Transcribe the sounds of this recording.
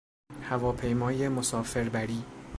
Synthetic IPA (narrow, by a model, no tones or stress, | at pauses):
hævɒːpʰe̞jmɒːjemosɒːfe̞ɾbæɾiː